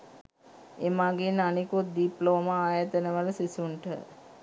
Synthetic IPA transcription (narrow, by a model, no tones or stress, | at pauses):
emaɡenanikut̪̚d̪iploːmaaːjat̪ənəʋələsisuɳʈə̰